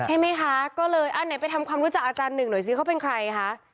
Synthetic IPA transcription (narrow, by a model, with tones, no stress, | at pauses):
t͡ɕʰa˥˩jma˦˥jkʰa˦˥kɔː˥˩lɤː˧jʔa˧˩na˩˦jpa˧jt̪ʰa˧mkʰwaː˧mɾu˦˥t͡ɕa˨˩k̚ʔaː˧t͡ɕaː˧nːɯ˨˩ŋnu˩˦jsiː˧kʰa˦˥wpe˧nkʰɾa˧jkʰa˦˥ʔ